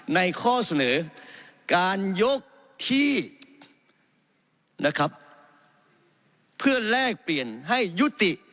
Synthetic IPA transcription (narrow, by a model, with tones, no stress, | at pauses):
na˧˥jkʰɔː˥˩sa˧nɤː˩˦kaː˨˧njo˦˥k̚ | t̪ʰiː˧˩ | na˧kʰa˦˥p̚ | ɯ˥˩ɐlɛː˥˩k̚pli˨˩ənɦa˥˩jːu˦˥t̪i˨˩ʔ